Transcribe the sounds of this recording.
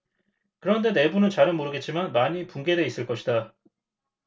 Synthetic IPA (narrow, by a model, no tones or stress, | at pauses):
kɯɾʌnde̞ne̞bunɯnt͡ɕaɾɯnmoɾɯɡet̚t͡ɕ͈imanmaɲipuŋɡe̞de̞is͈ɯɭk͈ʌɕʰida